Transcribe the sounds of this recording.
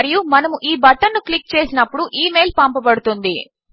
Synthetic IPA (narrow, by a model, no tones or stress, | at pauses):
ɾijumɐnɐmuʔiːbɐʈːɐnːuklik̚ːt͡ʃe̞ːsinɐpːuɽuʔiːmejlpaːmpɐpɐɽut̪und̪i